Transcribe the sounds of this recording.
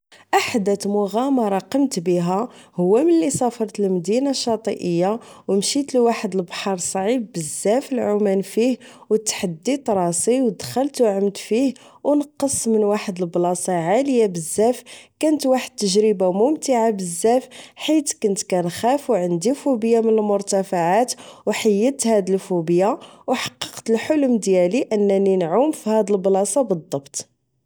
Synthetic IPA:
ʔaħd̪æt̪mʊɣamɑɾˤɑqəmt̪biɦæhʊwːæmənlisˤɑfəɾˤt̪əlmd̪inaʃːɑt̪ˤiʔəjːawmʃit̪lwaħəd̪əlbħɑɾˤsˤʕib̚ːəzːæfəlʕumænfihwət̪ħad̪ːit̪ɾˤɑsˤiwd̪xəlt̪wʕəmt̪fihwnəqːəsˤmənwaħəd̪əlblɑsɑʕaləjabəzːæfkænət̪waħəd̪̚t̪ːəʒɾəbamʊmt̪əʕabəzːæfħit̪kʊnt̪kænxæfwʕənd̪ifubəjamənəlmʊɾt̪æfaʕat̪wħajːət̪hæd̪əlfubəjawħɑ̥qːɑ̥qt̪əlħʊlʊmd̪jæliʔənːæninʕumfihæd̪əlblɑsˤɑbəd̪ˤːɑbt̪

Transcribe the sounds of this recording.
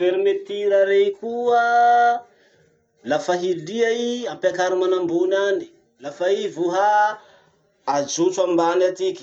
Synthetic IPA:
feɾimet̪iɾaɾekuə | lafaɦiliaiampakaɾimanambunani̥ | lafaivuɦa | ad͡ʒut͡suambanat̪ikʲi̥

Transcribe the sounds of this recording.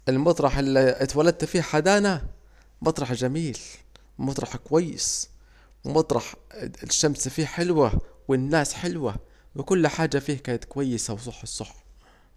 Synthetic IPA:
ʔɪlmɑt̪ˤɾˤɑħɪlːiʔt̪walad̪̚t̪fiːhħad̪aːna | mɑt̪ˤɾˤɑħd͡ʒamiːl | mɑt̪ˤɾˤɑħkwajːɪ̰s | wmɑt̪ˤɾˤɑħʃːamsfiːħɪlwawɪnːaːsħɪlwa | wɪkʊlːħaːd͡ʒːafiːhakaːnat̪kʊwajːɪsawsˤɑħːɑsˤːɑħː

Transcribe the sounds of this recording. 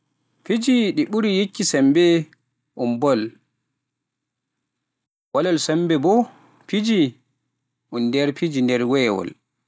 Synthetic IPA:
pid͡ʒiɗiɓuɾijikːisambɛ | ʔumbɔl | walalsambɛbɔ | pid͡ʒi | ʔundɛɾpid͡ʒindɛɾwɛːwɔ̰l

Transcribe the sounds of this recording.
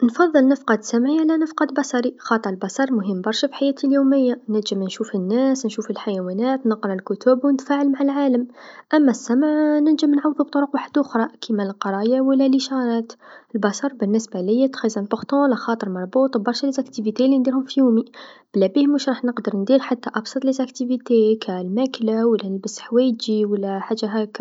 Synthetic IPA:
nfɑðˤːəlnəfqɑd̪sæmʕiʕalænəfqɑd̪bɑsɑɾixɑt̪ˤəɾˤəlbɑsˤɑɾˤmʊɦəmːbɑɾˤʃæfi̥ħajæːt̪ʰiljuməjːanəlʒəmnʃufənːæsnʃufəlħajæwænæt̪nəqɾˤɑlkʊt̪ubwnt̪faʕəlmaʕalʕaləmʔæmːæsːæmʕnəlʒəmnʕawðub̚t̪ˤoɾʊqwaħəd̪ʔʊxɾˤɑkʰimællqɑɾˤɑjawəlːæliʃɑɾˤɑt̪əlbɑsɑɾˤbənːəsbæləjːæt̪xizæntʊxt̪ˤɑ̃læxɑt̪ˤəɾˤmɑɾˤbut̪ˤbɑɾˤʃælizækt̪ivit̪elind̪iɾhʊmfijumib̥læbihmuʃɾˤɑħnəqd̪əɾˤnd̪iɾħat̪ːæʔɑbsˤɑt̪ˤlizækt̪ivit̪ekʰælmæklawəlːænəlbəsħwæjəd͡ʒiwəlːæħaʒːæɦæk

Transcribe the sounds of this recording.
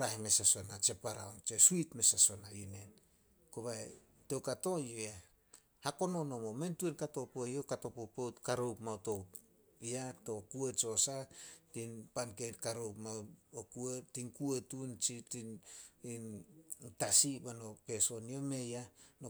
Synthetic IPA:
ɾahime̞saso̞nat͡ʃe̞paɾa̰ont͡ʃesuitme̞saso̞najune̞n | koβae | tewkato̞joe | hako̞no̞no̞momentuenkato̞pojokato̞popowtkaɾowpmawto̞ | iato̞kuet͡ʃo̞satinpanketkaɾowpmawokuetinkuetunt͡ʃitinintasibano̞pe̞so̞nio̞me̞jano

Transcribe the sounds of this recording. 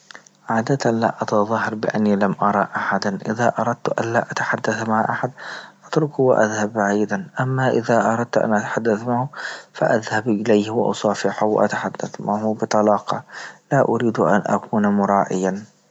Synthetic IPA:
ʕaːd̪at̪ala̰ʔɑt̪ɑðˤɑhːɑɾˤbɪʔa̰nːilamʔɑɾˤɑʔaħad̪anʔɪðaʔɑɾˤɑd̪̚t̪ʔanlaʔat̪ḁħad̪ːaθmaʕʔaħad̪ʔʔɑt̪ɾʊkwɪʔa̰ðhabːaʕiːd̪anʔamːaʔɪðaʔɑɾˤɑd̪̚t̪ʔa̰nʔat̪ḁħad̪ːaθmahʊfa̰ʔaðhabʔɪlajhwɪ̰ʔɑ̰sˤɑːfɪħawɪ̰ʔa̰t̪aħad̪ːaθmahʊbɨt̪ˤɑlɑːqɑlaʔʊɾiːd̪ʔa̰nʔa̰kuːnmʊɾˤɑːʔɪjan

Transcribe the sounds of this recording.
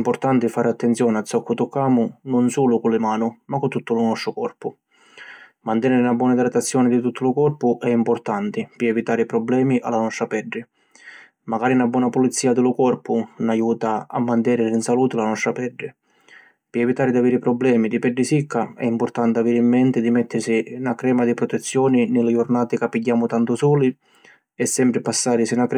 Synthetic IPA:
mpʊɾt̪ant̪ɪfaːɾɪat̪ːɛnt̪sjɔːnɪasɔkːʊt̪ukːaːmʊnʊnsuːlʊkʊlːɪmaːnʊmakːʊt̪ːut̪ːʊlʊnɔst̪ɾʊkɔrpʊ | mant̪ɛnɛɾɪnabːwɔːnad̪ɾat̪ːat̪sːjɔːnɪd̪ɪt̪ut̪ːʊlʊkɔrpʊʔɛimpʊɾt̪ant̪ɪpɪɛvit̪aːɾipɾɔblɛːmiʔa̰lːanɔst̪ɾapɛɖːɪ | maɡaːɾinabwɔːnapulit̪sːiːad̪ɪlʊkɔrpʊnajuːt̪aa̰mːant̪̬ɛːnɪrinsaluːt̪ɪlanɔst̪ɾapɛɖːɪ | pɪɛvit̪aːɾɪd̪aviːɾɪpɾɔblɛːmid̪ipɛɖːɪsikʰːaɛ̰impʊɾt̪ant̪ɪaviːɾɪimːɛnt̪ɪd̪imɛt̪ːɪɾsinakːɾɛːmad̪ipɾɔt̪ɛt̪sːjɔːninɪlɪd͡ʒʊrnaːt̪ɪkapːiɟːaːmʊt̪ant̪ʊsɔːli | ɛsːɛmpɾɪpasːaːɾɪsɪnak

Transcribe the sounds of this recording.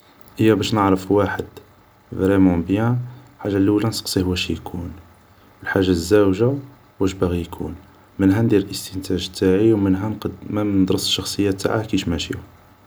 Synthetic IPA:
ʔəjːæbæʃnəʕɾəfwaħəd̪ | vɾimubjæħaʒːalulænsə̥qsˤihuwæʃjkʰun | bəlħaʒazːæwʒa | wæʃbæɣijkʰṵn | mənɦænd̪iɾəlʔəst̪ənt̪ʰæʒt̪ʰːaʕiwmənɦænq̪mænd̪ɾəsʃːɑxsˤəjːæt̪ːa̰ʕakiʃmæʃḭu

